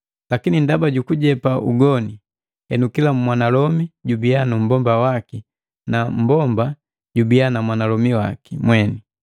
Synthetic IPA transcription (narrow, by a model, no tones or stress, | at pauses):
lakinindabaɟukuɟɛpaʔṵɡɔni | hɛnukilammwanalɔmiɟubianum̩bɔmbawaki | nam̩bɔmba | ɟubianamwanalɔmiwa̰kimwɛni